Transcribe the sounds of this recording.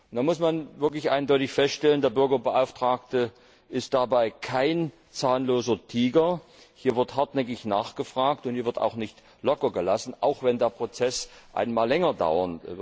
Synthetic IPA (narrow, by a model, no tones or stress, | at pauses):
d̥amʊsmanvɪɐklɪçʔa̰ɪndɔʏtɪçfɛstʃtɛləndeːɐbʏɐɡɐbəʔaʊftʁ̥aːk̚tə | ʔɪst̚d̥abaɪkʰaɪn | t͡saːənloːzɐtʰiːɡɐ | hiːɐvɪɐthaɐtnɛkɪçnaːχɡ̥əfʁ̥aːktʊnthiːvɪɐta̰ʊxnɪçt | lɔkɐɡəlasn̩ʔa̰ʊxv̥ɛndeːɐpʁ̥ot͡sɛsʔa̰ɪnmaːlɛŋɐda̰ʊɐn